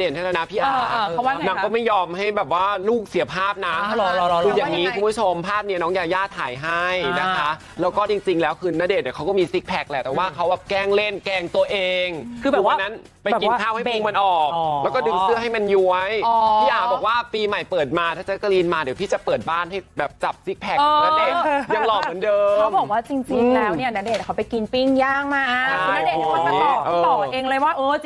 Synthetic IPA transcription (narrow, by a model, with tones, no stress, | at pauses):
deː˨˩nʰa˥˩lːna˦˥pʰiː˥˩ʔaː˨˩˧na˦˥ŋkɔː˥˩ma˥˩jɔː˧mɦa˥˩jbɛː˨˩p̚waː˥˩luː˥˩k̚si˨˩˦ɐpʰaː˥˩p̚na˦˥ʔʰɯː˧jaː˨˧˩ŋniː˦˥kʰu˧mbʰu˥t͡ɕʰo˧mpʰaː˥˩p̚ni˦˥˩nɔː˦˥ŋjaː˨˩jaː˥˩t̪ʰːaː˨˩˦jɦa˥˩jna˦kʰa˦˥ | lɛː˦˥wkɔː˥˩t͡ɕi˧ŋt͡ɕi˧ŋlɛː˦˥wkʰɯː˧naː˦˥deː˨˩t̪̚ni˨˩kʰa˦˥wkɔː˥˩miː˧si˦˥k̚pʰɛ˨˦˩k̚lɛː˧˩t̪ɛː˨˩waː˥˩kʰa˦˥wbɛː˨˩p̚kɛː˥˩ŋle˥˩nkɛː˧˩ŋt̪u˧əʔeː˧ŋʰɯː˧uː˨˩wa˧nːa˦˥n | pa˧jːki˧nː˦˥˩tʰaː˥˩wha˥˩u˧ŋma˧nʔɔː˨˩kːlɛː˦˥wkɔː˥˩dɯ˧ŋsɯ˥˩ɐɦa˥˩jma˧nju˧˥əjɔ˨˧iː˥˩aː˨˩k̚bɔː˨˩k̚waː˥˩piː˧ma˨˩jpɤː˨˩t̪̚maː˧t̪ʰaː˥˩t͡ɕa˨˩ka˧liː˧nmaː˧di˨˦t̪ʰiː˥˩t͡ɕa˨˩pɤː˨˩t̪̚baː˥˩nɦa˥˩jbɛː˨˩p̚t͡ɕa˨˩p̚si˦˥k̚pʰɛ˨˩ɤː˧a˦˥e˧˩ja˧ŋlɔː˧˨˩mɯ˩˦ndɤː˧˦˥mbɔː˨˩k̚waː˥˩t͡ɕi˧ŋt͡ɕi˧ŋŋŋlɛː˦˥wni˥ɐna˦˥de˨˩t̪̚nʰ˨˩a˦˥pa˧jki˧npi˥˩ŋjaː˥˩ŋ̚maː˥˩˥kʰa˥˩ɯ˧a˦˥deː˨˩˨aiː˧˦˥ʔɤː˧˨˩ʔeː˧ŋlɤː˧jwaː˥˩ʔɤː˧